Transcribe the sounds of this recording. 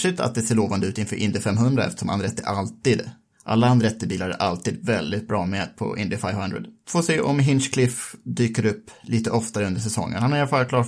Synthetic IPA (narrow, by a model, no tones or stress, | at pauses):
ʂɪt̪ʰa̰t̪̚d̪ɛseːɭoːvand̪əʉ̟ːt̪ɪnfœːʔɪnd̪ɪfɛmːɦɵnd̪ɾaɛ̰ft̪ə̥ʂɔma̰nɾɛt̪ːəʔalt̪iːd̪ | ʔa̰lːaand̪ɾɛt̪ːəbiːlaɾɛ̰ʔalt̪iːd̪vɛld̪ɪt̪̚bɾɑːmɛd̪pʰɔ̰ʔɪnd̪ɪfaɪvhand̪ɾə̰d̪foːseːʔɔmɦɪnʂkʰlɪfd̪yːkəɾɵpːlʔiːt̪əʔɔft̪aɾəɵnd̪əʂɛsɔ̰ŋːə̰nhanæɾafaɾkʰlɑː